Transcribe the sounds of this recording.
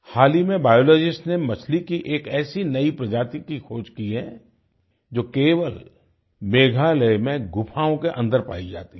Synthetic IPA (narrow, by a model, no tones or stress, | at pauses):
haːlimẽbaːjoːlɔːd͡ʒɪsʈnemɐt͡ʃʰlikiʔeːkɛːsinɐipɾɐd͡ʒaːt̪ikixʰoːd͡ʒkiɦɛ̃ | d͡ʒoːkeːʋəl | meːɡʱaləmẽɡʊpʰaːõkeʔɐ̰̃nd̪əɾpa̰ːid͡ʒa̰ːt̪i